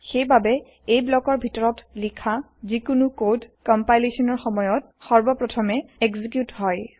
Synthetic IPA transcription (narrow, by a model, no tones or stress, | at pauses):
xejbabɛ | ejblɔkɔɹbʱitɔɹɔtlikʰa | zikʊnukodkɔmpajlesɔnɔɹxɔmɔjɔt̚ | sɔɹbɔpɹɔtʰɔmɛekzik̬jutɦɔj